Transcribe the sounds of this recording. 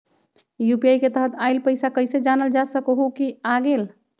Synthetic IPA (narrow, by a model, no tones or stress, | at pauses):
jupiajket̪əɦət̪ajlpəɪsakəɪsed͡ʒanəld͡ʒasəkoɦukiaɡel